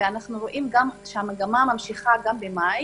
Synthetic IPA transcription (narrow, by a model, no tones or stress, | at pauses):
eanaχnuʁoʔimɡamʃehamaɡamamamʃiχaɡambemaj